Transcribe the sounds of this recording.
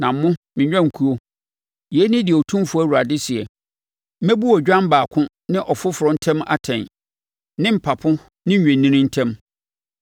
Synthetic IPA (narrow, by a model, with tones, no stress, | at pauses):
nã˨m˨˦mʊ̃˦mɪ̃˨ɲᶣ˦ã˦˨ŋ̩˨kʰu˦o˦ | jɛ˦nɪ̃˦dɪ˨ɔ˨tʰũ˦mfʊ˦æ˦˨wu˨a˨dɪ˦sɪ˨ɛ˨˦ | mæ̃˦bu˦ɔ˨d͡ʑᶣã˦m̩˦baː˨kʰʊ̃˦ | nɪ̃˦ʔɔ˨fʊ˦fʊ˨ɾɔ̃˨n̩˦tʰɛ̃˦ma̰˨tʰɛ̃˨n | nɪ̃˦m̩˨pʰa˨pʰʊ̃˦ | nɪ̃˦˨ɛ̃˨nːĩ˦nĩ˦n̩˦tʰɛ̃˦m